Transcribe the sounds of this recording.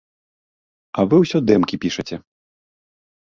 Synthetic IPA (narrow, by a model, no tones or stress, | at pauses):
ɐvɨwsʲɔd̪ɛmkʲipʲiʂɐt͡sʲɛ